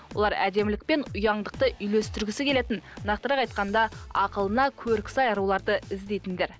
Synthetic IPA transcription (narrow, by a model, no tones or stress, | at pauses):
wo̞lˠɑɾæ̰d̪e̞mlɪk̚pe̞nʊjɑɴd̪əq̚t̪əʔʏjle̞st̪ɪɾɡʲɪsɪkʲʰele̞t̪ɪnnɑqt̪əɾɑqɑjt̪̚qɑnd̪ɑɑqəlˠənɑkʲʰɵɾkʲɪ̥sɑjɑɾulˠɑɾd̪əɪzd̪e̞jt̪ɪnd̪e̞ɾ